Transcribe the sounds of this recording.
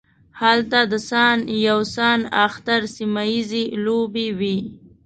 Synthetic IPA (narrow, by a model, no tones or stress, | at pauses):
halt̪ad̪əsɑnjawsɑnaxt̪aɾsimajizelobewi